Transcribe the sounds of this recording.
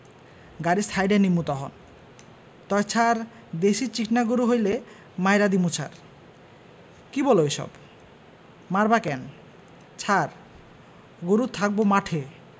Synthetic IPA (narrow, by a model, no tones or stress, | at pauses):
ɡaɾist̪ʰajɖenimːut̪ɔɦɔ̰n | t̪ɔjt͡ɕʰaɾ | d̪eʃit͡ɕikʰnaɡuɾuɦojle | majɾad̪imut͡ɕʰa̰ɾ | kibɔloeʃɔ̰b | maɾbakɛn | t͡ɕʰaɾ | ɡuɾut̪ʰak̚bomaʈʰe